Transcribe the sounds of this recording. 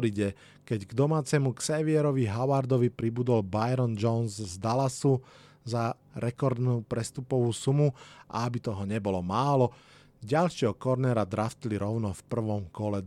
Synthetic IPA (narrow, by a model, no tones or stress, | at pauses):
ɾiɟɛ | kɛɟɡd̪ɔmaːt͡sɛmuksɛʋiɛɾɔʋiɦaʊaɾd̪ɔʋipɾibud̪ɔlbajɾɔnd͡ʒɔnzzd̪alasu | za | ɾɛkɔɾd̪nuːpɾɛst̪upɔʋuːsumuʔa̰abit̪ɔɦɔɲɛbɔlɔmaːlɔ | ɟalʃɪɛɦɔkɔɾnɛɾad̪ɾaft̪liɾɔʊnɔfpr̩ʋɔmkɔlɛ